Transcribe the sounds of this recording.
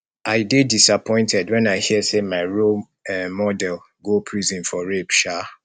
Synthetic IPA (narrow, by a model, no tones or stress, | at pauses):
ʔaɪdedisapʰɔ̃ɪ̃ntʰɛdwɛ̃naɪhiəsemaɪɹo | mɔdɛl | ɡopʰɹizĩnfɔɹepʃa